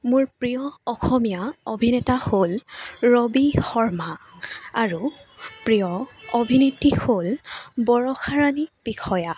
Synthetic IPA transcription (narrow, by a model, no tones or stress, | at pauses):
mʊɹpɹijɔːxɔmijaobʱinɛtaholɹobixɔɹmaaɹupɹijɔobʱinitːiholbɔɹɔxʰaɹanib̥ikʰɔja